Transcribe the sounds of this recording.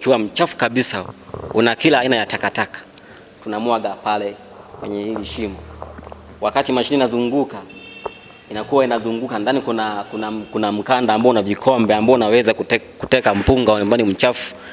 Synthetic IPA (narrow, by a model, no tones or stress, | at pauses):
kiwam̩t͡ʃafu̥kaɓisaṵnakilahainajatakatakḁ | tunamwaɡapalɛ | kwɛ̰ɲɛhiliʃimɔ | wakatimaʃiniːnazuŋɡuka | inakuwainazuŋɡukandanikunakunakunam̩kandaːmbaɔnavikʰɔmbɛambaɔunawɛzakkutɛkam̩puŋɡaɲɔmbanim̩t͡ʃafu̥